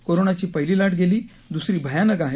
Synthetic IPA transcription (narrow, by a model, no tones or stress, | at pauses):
koɾonat͡ɕiːpəɦiliːlaʈɡeliː | d̪usɾiːbʱəjanəɡaɦe